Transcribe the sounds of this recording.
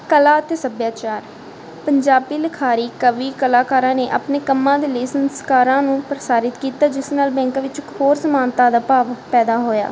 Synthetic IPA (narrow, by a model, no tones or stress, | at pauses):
kəlaːt̪eːsəbjaːt͡ʃaːɾ | pəɲd͡ʒaːbiːləkʰaːɾiːkəʋiːkəlaːkaːɾãːneːʔaːpneːkəmːãːd̪eːleːsənskaːɾãːnũːpɾəsaːɾɪt̪kiːt̪aːd͡ʒɪsnaːlbɛ̃ːŋkːʋɪt͡ʃhoːɾsəmaːnt̪aːd̪aːpaːʋpɛːd̪aːɦoːja̰ː